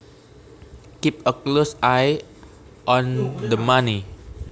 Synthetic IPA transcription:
kip̚əklosaj | ʔɔ̃nd̪əmani

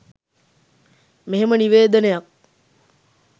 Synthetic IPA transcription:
meɦeməniʋeːd̪ənejak̚

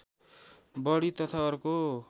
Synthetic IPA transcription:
bʌɽit̪ʌt̪ʰaʌɾko

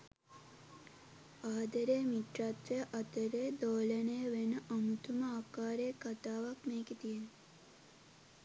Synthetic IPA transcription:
aːd̪əɾeːmiʈɾat̪ʋeʔɐt̪əɾeːd̪oːləneːʋenəʔɐmut̪uməaːkaːɾeːkat̪aːʋakmeːket̪ijen

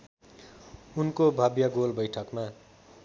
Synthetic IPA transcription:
unkobʱʌbjʌɡolbʌjʈʰʌkma

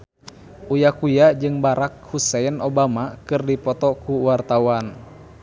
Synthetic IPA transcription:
ʔujakujad͡ʒɨŋbaɾak̚husɛinɔbamakɨrdipɔt̪ɔkuwart̪awan

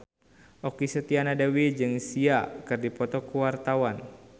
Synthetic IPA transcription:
ʔɔkisət̪ianadawid͡ʒɨŋsiakɨrdipɔt̪ɔkuwart̪awan

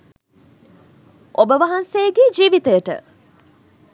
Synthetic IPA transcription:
ʔobəʋɐɦɐnsejɡeːd͡ʒiːʋit̪əjəʈə̰

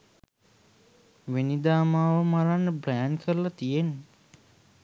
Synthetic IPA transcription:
ʋenid̪aːmaːʋəmaɾanːəbɾɛjnkʰəɾəlat̪ijenːə

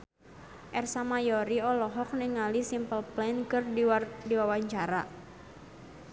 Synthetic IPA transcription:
ʔɛrsamajɔɾiɔlɔɦɔk̚niŋalisimpəlplɛnkɨrdidiwawaɲt͡ʃaɾa

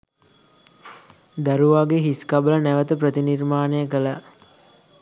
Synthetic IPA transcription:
d̪æɾuʋaːɡeɦiskabələnæʋət̪əpɾət̪inirmaːnejəkələ

